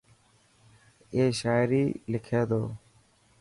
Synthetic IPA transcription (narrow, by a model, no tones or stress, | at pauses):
eːʃaːjɾiːlɪkʰeːd̪oː